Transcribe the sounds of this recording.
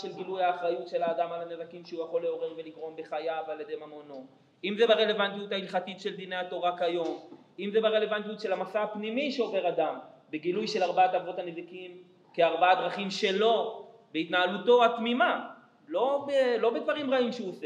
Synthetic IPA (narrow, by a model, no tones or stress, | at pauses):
ʃelɡilujaːχʁajutʃe̞laːdamalanezakimʃujaχo̞leo̞ʁe̞ʁve̞liɡʁo̞mbeχajavaljed̪e̞jmamono̞ | imzebeʁe̞le̞vant̪ijutailχatitʃeld̪ine̞jato̞ʁakajo̞m | imzebeʁe̞le̞vant̬ijutʃe̞lamasaapnimiʃeo̞ve̞ʁad̪ambeɡilujʃe̞laʁbaat̪avo̞tanezakim | keaʁbaad̪ʁaχimʃe̞lo̞ | beit̪naːaluto̞at̪mima | lo̞belo̞bed̪vaʁimʁaimʃeuse